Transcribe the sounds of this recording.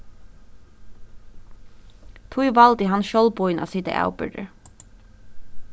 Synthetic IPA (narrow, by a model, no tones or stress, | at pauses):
t̪ʰuːiːʋɑld̪iːhɑnʃɔlbɔʏnʔɑ̰ːsiːt̪ə̰ʔæ̰ʊbʏ̰ɖə̰